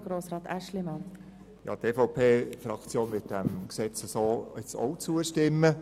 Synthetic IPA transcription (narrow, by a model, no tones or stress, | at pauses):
ɡ̥ɾoːsɾɑːt̪æʃlimɑn | jɑ̰ːt̪eːfoʊwpʰeːfɾɑkt͡sjoːnmɪt̚d̥æmksɛt͡səsoːɪt͡so̰wt͡suəʃtɪmːə